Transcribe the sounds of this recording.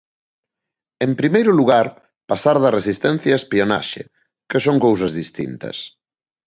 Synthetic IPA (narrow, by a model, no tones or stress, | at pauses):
empɾimejɾʊluɣaɾ | pasaɾðɐresist̪ɛn̟θjɐespiona̰ʃɪ̰ | kesoŋkows̬ɐzðist̪ḭnt̪ɐ̰s